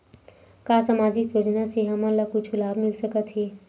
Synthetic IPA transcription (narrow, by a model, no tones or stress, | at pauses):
kasamaːd͡ʒɪkjoːd͡ʒnaseɦəmələkʊt͡ʃʰulaːbmɪlsəkət̪ɦɛ